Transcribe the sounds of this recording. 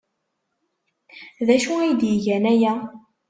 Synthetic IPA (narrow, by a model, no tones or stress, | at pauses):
ðæʃuæjd̪jəʝænæjæ